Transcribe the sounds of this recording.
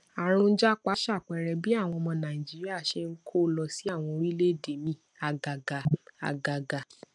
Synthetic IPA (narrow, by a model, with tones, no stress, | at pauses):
a˨ɾ̃ũ˧n̩˦d͡ʒa˦k͡pa˨˦ʃa˦˨k͡pɛ˨ɾɛ˨bi˨˦a˦˨w̃ɔ̃˧mɔ̃˧nã˨ĩ˨d͡ʒi˨˦ɾi˦a˦˨ʃe˧ŋ̩˦kʰo˦lɔ˧si˨˦a˦˨w̃ɔ̃˧ɾi˦le˦˨de˨mĩ˦˨ | a˧˨ɡa˨ɡa˨a̰˨ɡa˨ɡa˨